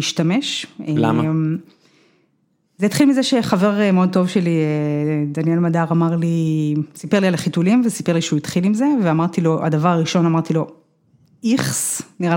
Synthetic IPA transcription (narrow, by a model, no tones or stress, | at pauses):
iʃtame̞ʃela̰mm | zejit̪χilmizeʃe̞χave̞ʁmeo̞d̚t̪o̞vʃelied̪anielmadaʁamaʁlisipeʁlialaχitulimvesi̥peʁliʃeuit̪χilimze̞veamaʁt̪ilo̞ʔa̰davaʁaʁiʃo̞namaʁt̪ilo̞ | iχsniʁa